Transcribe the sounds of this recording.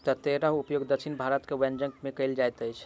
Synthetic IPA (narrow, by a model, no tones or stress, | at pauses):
t̪ət̪eɾəɦupjoɡd̪əkʰinbʱaɾət̪kewɛnd͡ʒəŋkmekəjld͡ʒajt̪əjt͡ʃʰ